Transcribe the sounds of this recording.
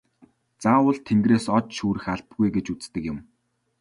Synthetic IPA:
t͡saːʊɮt̪ʰeŋɡreːsɔt͡ɕʃuːɾɘ̆xaɮpɡujɡet͡ɕut͡st̪ɘ̆kjɪ̆m

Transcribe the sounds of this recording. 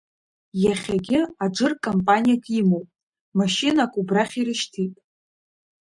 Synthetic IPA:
jaχʲaɡʲɪad͡ʒʷɨrkʼompʼanʲijakʷʰʼimowpʼ | maʃinakʷʼubraχʲirɨʃtʰitʼ

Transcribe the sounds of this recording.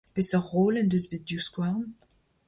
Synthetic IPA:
pesɔʁːoːlɛnd̪øzbedjuskwaʁn

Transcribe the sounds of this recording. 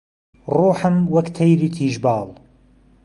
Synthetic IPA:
ruːħɨmwɐkt̪ʰɐjɾiːt̪ʰiːʒbɑːlˠ

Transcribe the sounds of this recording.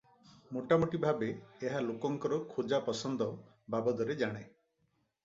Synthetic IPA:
moʈamoʈibʱabeːɦalokɔŋkɔɾɔkʰud͡ʒapɔsɔnd̪ɔ | babɔd̪ɔɾed͡ʒaɽ̃e

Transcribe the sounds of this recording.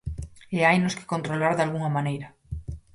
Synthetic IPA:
eajnoske̥ko̞nt̪ɾolaɾðalɣuŋamãnejɾa

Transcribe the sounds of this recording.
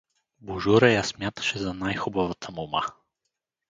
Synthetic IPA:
buʒuɾəjasmʲjat̪ə̥ʃɛzɐnajxubavət̪ʰəmoma̰

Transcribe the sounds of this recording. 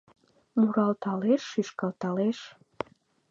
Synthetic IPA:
luɾɑlt̪ɑleʃːyʃkɑlt̪ɑleʃ

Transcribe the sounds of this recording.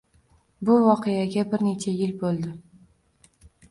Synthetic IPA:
bʊvɒqʰejaɡʲabɪɾne̞t͡ʃʰajɪlbolˠd̪ɪ

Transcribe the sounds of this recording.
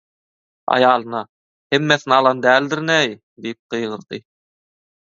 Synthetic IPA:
ɑ̰jɑːlˠɤ̆nɑ | hemːæθnɑlˠɑnd̪æːld̪ɘɾnæj | d̪ip̚qɤ̆jʁɤ̆ɾd̪ḭ

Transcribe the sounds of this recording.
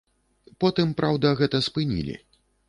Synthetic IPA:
pɔt̪ɨmpɾʔawd̪ɐɣɛt̪ɐspɨnʲḭlʲḭ

